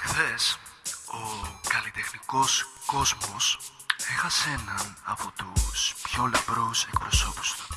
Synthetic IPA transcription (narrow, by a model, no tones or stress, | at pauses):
xðes | o̞kɐlit̪e̞xniko̞sko̞zmo̞s | e̞xɐsenɐnɐpo̞t̪uspçolepɾuse̞kpɾo̞so̞pu̥st̪u̥